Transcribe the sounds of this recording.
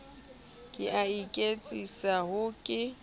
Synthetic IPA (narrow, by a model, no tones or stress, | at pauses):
kʼɪʔaikʼet͡sʼisaɦʊkʼɪ